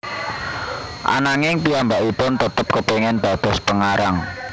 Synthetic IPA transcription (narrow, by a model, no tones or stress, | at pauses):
ʔa̰naŋɪŋpiambaʔipʊnt̪ət̪əp̚kəpeŋɪnd̪̥ad̪̥ɔ̤spəŋaɾaŋ